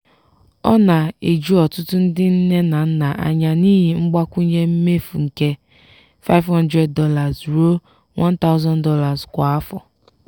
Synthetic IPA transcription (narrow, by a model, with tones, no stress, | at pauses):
ɔ̰˦na˨e˨d͡ʒu˦ɔ˨tʊ˦tʊ˦n̩˦dɪ˦n̩˦ne˦na˨n̩˦na˨ʔa̰˨ɲa˨niː˦ɦi˨ŋ͡m̩˦ɡ͡ba˦kʷu˦ɲe˦m̩˦me˦fṵ˨ŋ̩˨ke˦ | fa˦ɪ˦vhɔ˦ndɾe˦d̚dɔ˦la˨zɾo˦ | wɔ̃˦n˦ta˦ʊ˦zɔ˦ndɔ˦la˨zkʷa˨a˦fɔ̰˨